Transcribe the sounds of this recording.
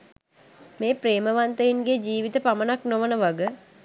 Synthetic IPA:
meːpreːməʋant̪əjinɡed͡ʒiːʋit̪əpamənaknoʋənəʋaɡə

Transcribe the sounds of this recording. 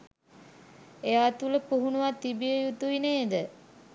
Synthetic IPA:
eʋat̪uləpuɦunuʋat̪ːibijəjut̪uʋineːd̪ə

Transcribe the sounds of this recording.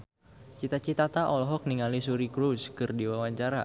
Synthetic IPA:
t͡ʃit̪at͡ʃit̪at̪aʔɔlɔɦɔk̚niŋalisuɾikɾuskɨrdiwawaɲt͡ʃaɾa

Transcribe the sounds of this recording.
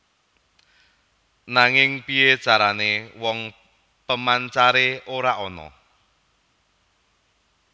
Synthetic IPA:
naŋɪŋpie̥t͡ʃaɾanewɔŋ | pəmant͡ʃaɾeoɾaʔɔnɔ̰

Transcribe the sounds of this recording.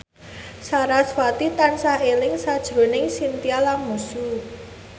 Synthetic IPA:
saɾaswat̪it̪ansaɦelɪŋsad̥ʒ̥ɾo̤nɪŋsint̪ialanmusu

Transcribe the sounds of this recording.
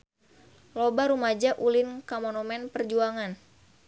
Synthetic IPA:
lɔbaɾumad͡ʒaʔulɪnkamɔnomɛnpərd͡ʒuaŋan

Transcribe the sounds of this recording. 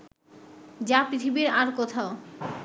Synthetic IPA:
d͡ʑapɾit̪ʰibiɾaɾkot̪ʰao

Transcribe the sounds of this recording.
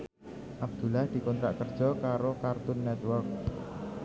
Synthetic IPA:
ʔab̚d̪̥ṳlahd̪̥i̤kɔnt̪ɾaʔkərd̥ʒ̥ɔ̤kaɾokart̪ʊnːɛt̪wɔrk̚

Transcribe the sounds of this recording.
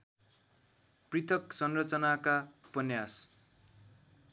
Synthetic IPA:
prit̪ʰʌksʌnrʌt͡sʌnakapʌnjas

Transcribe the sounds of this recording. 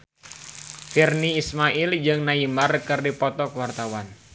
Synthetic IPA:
firniːsmaʔɪld͡ʒɨŋnaimarkɨrdipɔt̪ɔkwart̪awan

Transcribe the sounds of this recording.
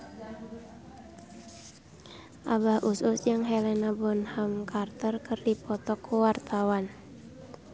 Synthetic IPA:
ʔabahʔususjaŋɦɛlɛnabɔnhamkʰart̪ərkɨrdipɔt̪ɔkʰuwart̪awan

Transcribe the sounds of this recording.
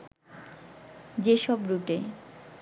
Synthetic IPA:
d͡ʑeʃɔbɾuʈe

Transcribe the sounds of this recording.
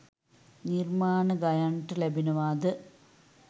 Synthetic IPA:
nirmaːɳɨɡɐjɐɳʈɨlebʱinɐʋaːd̪ɨ

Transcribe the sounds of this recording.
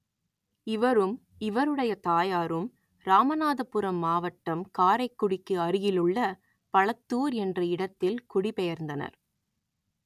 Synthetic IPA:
ɪʋɐɾɯm | ɪʋɐɾɯɽɐjɐt̪aːjaːɾɯm | ɾaːmɐnaːðɐpːɯɾɐmːaːʋɐʈːɐmkaːɾɐɪkːʊɽɪkːɯɐɾɯjɪlɯɭːɐ | pɐɭɐt̪ːuːɾɛndrɐɪɽɐt̪ːɪlkʊɽɪpɛjɐɾnd̪ɐnɐ̰ɾ

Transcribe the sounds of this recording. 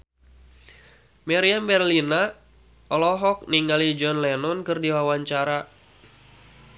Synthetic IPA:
mɛɾiambɛrlina | ɔlɔɦɔk̚niŋalid͡ʒɔnlɛnɔnkɨrdiwawaɲt͡ʃaɾa

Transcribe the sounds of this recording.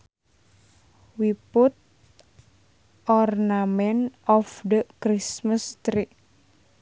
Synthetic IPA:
wiput̪̚ | ɔrnamɛnɔfd̪əkɾisməst̪ɾi

